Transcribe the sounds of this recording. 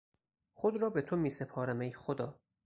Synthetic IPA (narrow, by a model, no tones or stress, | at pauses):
χod̪ɾɒːbet̪ʰomiːsepʰɒːɾæmejxod̪ɒː